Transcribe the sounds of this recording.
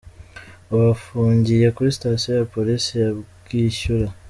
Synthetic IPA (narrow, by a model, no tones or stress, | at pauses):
oβafuːɲɟijakuɾistasojapolisijaβɡ̥iʃuɾa